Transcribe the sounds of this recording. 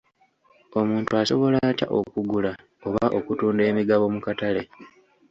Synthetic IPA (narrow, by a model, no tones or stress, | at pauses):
o̞muːntuaso̞βo̞laːca̰ʔo̞̰kuɡula | o̞βaʔo̞kutuːnde̞ːmiɡaβo̞mukatale̞